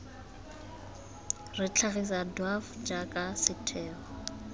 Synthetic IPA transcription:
rɪt͡ɬʰaɣis̬adwafd͡ʒakʼasɪtʰɛːɔ

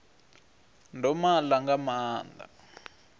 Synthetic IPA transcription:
ndʱɔmalaŋɡamaːnd̪a̰

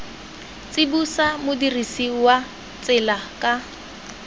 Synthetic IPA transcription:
t͡sʼibusamʊdirisiwa | t͡sʼɪlakʼa

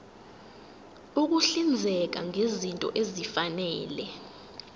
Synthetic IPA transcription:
uk̬uɬind͡zʱɛk̬aŋezintʼɔ̰ʔezifanɛːlɛ

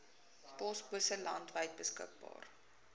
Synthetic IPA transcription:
pɔsbusəlɐntvəjt̚bəskə̰k̚bɑ̰ːr

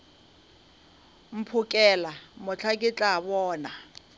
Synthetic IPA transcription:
m̩pʰʊkʼɛlamʊt͡ɬʰakʼɪt͡ɬʼaβɔːna

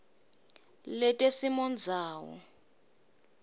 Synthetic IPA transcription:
lɛtʼesimɔnd͡zʱaːwɔ̰

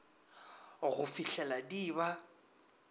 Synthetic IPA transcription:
ɣʊfiɬɛladiːba

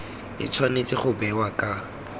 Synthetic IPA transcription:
ɪ̰t͡sʰwanet͡sʼɪχʊbɛwakʼa

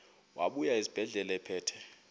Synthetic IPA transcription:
wʔa̰ɓujaizib̥ʱɛɮɛlaɛpʰɛːtʰɛ

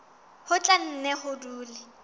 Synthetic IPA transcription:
hʊt͡ɬʼan̩nɛhʊduːlɪ

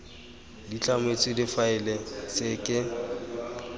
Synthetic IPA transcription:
dit͡ɬʼamet͡sʼɪdɪfaɪlɛsɪkʼɪ

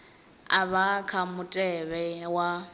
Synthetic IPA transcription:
aβakʰamʊtʼɛβɛwa

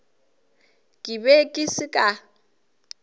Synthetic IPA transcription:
kʼɪbekʼɪsɪkʼa

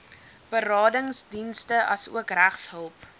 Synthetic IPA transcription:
b̥əɾɑːdəŋsdinstəʔɐsṵəkræχsɦəlˠp

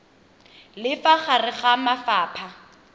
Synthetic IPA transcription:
lɪfaχarɪχamafaːpʰa

